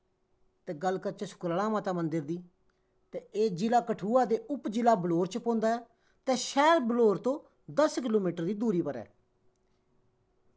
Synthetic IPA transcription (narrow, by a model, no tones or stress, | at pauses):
t̪ɛ̃ːɡəlkəɾt͡ʃesʊ̥kɾəlaːmaːt̪aːmənd̪ɪɾd̪iː | t̪ɛːeːd͡ʒɪlaːkəʈʰuːaːd̪eːʊpd͡ʒɪlaːbəloːɾt͡ʃpõːnd̪aːɛː | t̪ɛ̃ːʃɛːlbəloːɾt̪õː | d̪əskɪloːmiːʈəɾd̪iːd̪uːɾiːpəɾɛ̰ː